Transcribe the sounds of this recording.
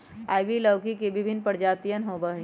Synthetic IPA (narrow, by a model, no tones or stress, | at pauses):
aːjʋiləʋkikebɪbʱɪnːpəɾd͡ʒaːt̪ijənɦoːbə